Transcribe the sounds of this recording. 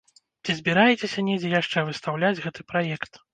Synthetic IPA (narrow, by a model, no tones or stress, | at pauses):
t͡sʲizʲbʲiɾajɛt͡sʲesʲɐnʲɛd͡zʲɛjaʂt͡ʂɛvɨst̪awlʲad͡zʲɣɛt̪ɨpɾajɛkt̪